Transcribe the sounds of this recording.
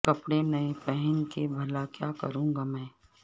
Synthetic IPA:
kɐpɽenɐepɛɦɛnkebʱɐlakjaːkɐɾũːŋɡamɛ̃ː

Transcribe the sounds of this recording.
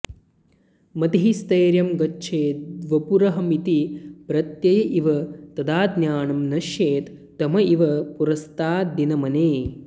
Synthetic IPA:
mɐd̪iɦist̪ɐːɾjɐmɡɐtːʃʰeːt̪̚d̪ʋɐpuɾɐɦɐmit̪ipɾɐt̪jɐjɐʔiʋɐt̪ɐd̪aːd̪njaːɳɐmnɐʃjeːt̪ːɐmɐiʋɐpuɾɐst̪aːd̪inɐmɐneː

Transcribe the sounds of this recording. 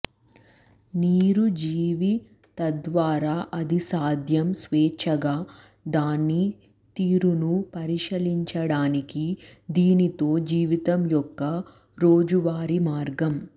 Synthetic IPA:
niːɾud͡ʒiːʋi | t̪ɐd̪ʋaːɾaːʔɐd̪isaːd̪ʱjɐmsʋɛːt͡ʃʰɐɡaː | d̪aːnːi | t̪iːɾunupɐɾiʃɐliɲt͡ʃɐɽaːnikid̪iːnit̪o̞ːd͡ʒiːʋit̪ɐmjɔkːɐ | ɾoːd͡ʒuʋaːɾimaːɾɡɐm

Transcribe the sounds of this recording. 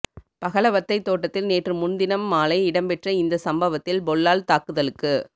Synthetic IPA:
pɐɣɐɭɐʋɐt̪ːɐɪt̪ːoːʈːɐt̪ːɪlneːʈrɯmʊnd̪ɪnɐmːaːlɐɪɪɽɐmpɛʈrɐɪnd̪ɐsɐmbɐʋɐt̪ːɪlbɔɭːaːlt̪aːkɯðɐlɯkːɯ

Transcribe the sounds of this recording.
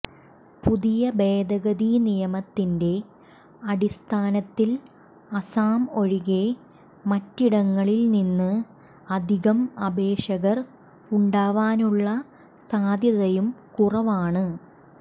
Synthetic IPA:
puðijɐbeːd̪ɐɣɐðinijɐmɐt̪ːinde̞ | ɐɽist̪ʰaːnɐt̪ːil | ɐsaːmo̞ɻiɣe̞ | mɐtːiɽɐŋːɐɭilninːɨ | ɐd̪ʱiɣɐmɐbʱe̞ːʂɐɣɐr | uɳɖaːʋaːnuɭːɐ | saːd̪ʱjɐðɐjumkurɐʋaːɳɨ

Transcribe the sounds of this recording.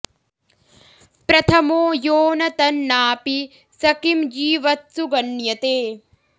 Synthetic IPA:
pɾɐt̪ʰɐmoːjoːnɐt̪ɐnːaːpi | sɐkimd͡ʒiːʋɐt̪suɡɐnjɐt̪eː

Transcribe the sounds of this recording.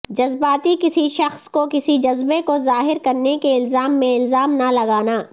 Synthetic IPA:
d͡ʒɐzbaːt̪ikɪsiʃɐxskokɪsid͡ʒɐzbekozaːɦɪɾkɐɾnekeɪlzaːmːẽɪlzaːmnalɐɡaːnaː

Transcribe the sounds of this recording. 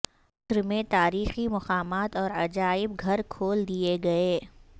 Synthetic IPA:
ʊsɾmẽt̪aːɾiːximɐqaːmaːt̪ɔːɾɐd͡ʒaːɪb̚ɡʱɐɾkʰoːld̪ieɡɐeː

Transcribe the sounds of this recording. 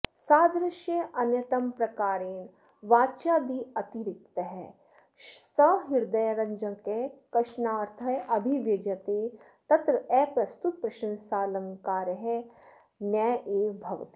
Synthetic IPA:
saːd̪ɾɐʃjɐʔɐnjɐt̪ɐmpɾɐkaːɾeːn | ʋaːt͡ʃaːd̪iːɐt̪iɾɪk̚t̪ɐɦɛ̰ː | sɐɦiɾd̪ɐjɾɐ̃ɲd͡ʒɐ̃ŋkekɐʃnaːɾt̪ʰɐjʔɐbʱiʋjɐd͡ʒɐt̪eː | t̪ɐt̪ɾɐɛːpɾɐst̪ut̪̚pɾɐʃɐ̃nsaːlɐŋkaːɾɐɦɛ | nɐʔeːbʱɐʋt̪i

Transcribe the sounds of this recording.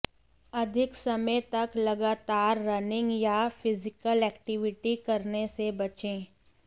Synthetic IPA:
ɐd̪ʱɪksɐməjt̪ɐklɐɡaːt̪aːɾːɐnɪ̃ŋɡjafʰɪzɪkəlɛːkʈɪʋɪʈikɐɾnesebɐt͡ʃẽː

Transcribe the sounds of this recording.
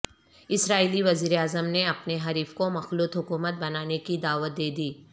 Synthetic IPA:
ɪsɾaːiːliʋɐziːɾeaːzəmneɐpneɦɐɾiːfkomɐxluːt̪ɦʊkuːmət̪̚bɐnaːnekid̪aːʋət̪̚d̪eːd̪iː

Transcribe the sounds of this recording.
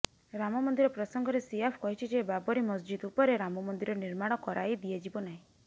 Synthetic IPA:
ɾamɔmɔnd̪iɾɔpɾɔsɔŋɡʱɔɾesijapʰkɔɦit͡ʃʰid͡ʒebabɔɾimɔsd͡ʒid̪upɔɾeɾamɔmɔnd̪iɾɔniɾmaɽ̃ɔkɔɾajd̪ied͡ʒibɔnaɦĩ

